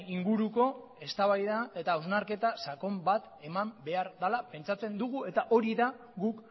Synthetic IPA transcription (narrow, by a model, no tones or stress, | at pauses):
iŋɡuɾuko̞ | e̞st̪aβajðae̞t̪awznaɾke̞t̪asako̞mbat̪ | e̞mambe̞aɾðalape̞nt͡sat͡se̞nd̪uɣue̞t̪aʔo̞ɾiða | ɡuk